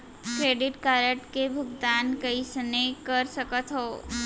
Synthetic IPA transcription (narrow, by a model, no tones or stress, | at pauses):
kɾeɖiʈkaɾəʈkebʱuɡd̪ankəisənekəɾsəkət̪ɦo